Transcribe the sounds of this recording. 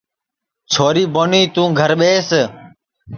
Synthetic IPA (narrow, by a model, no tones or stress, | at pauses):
t͡ʃʰoːɾiːboniːt̪ũːɡʱəɾɓeːs